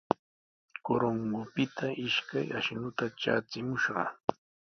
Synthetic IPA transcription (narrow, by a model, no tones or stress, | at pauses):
koɾoŋɡʊpɪt̪ʰaʔɪʃkajaʃnʊt̪aʈ͡ʂa̰ːt͡sɪmʊʃɢɑ̰